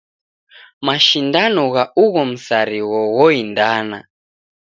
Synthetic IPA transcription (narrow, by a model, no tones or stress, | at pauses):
maʃindanɔɣaʔuɣɔm̩saɾiɣɔɣɔindana̰